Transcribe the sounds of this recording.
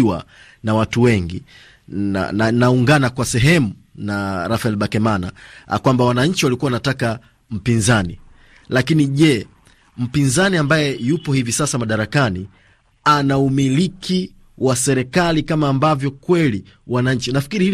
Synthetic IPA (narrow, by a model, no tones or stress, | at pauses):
wa̰ | nawatuwɛŋɡḭ | a̰nanauŋɡanakwasɛɦɛmu | naɾafaɛlɓakɛmana̰kwambawanaɲ̩t͡ʃiwalikuwaanataka | m̩pinzani | lakiniʄɛ | m̩pinzaniambajɛjupɔhivisasamaɗaɾakani | anaumilikʰi | wasɛɾɛkalikamaːmbavjɔkwɛliwanaɲ̩t͡ʃinafi̥kiɾihi